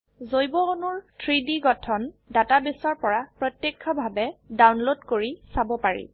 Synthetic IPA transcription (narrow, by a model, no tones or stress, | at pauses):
zojbɔːnʊɹtʰɹidiɡɔtʰɔndatabisɔɹpɔɹapɹɔtjekʰːɔbʱabɛdawnlodkoɹisabɔpaɹḭ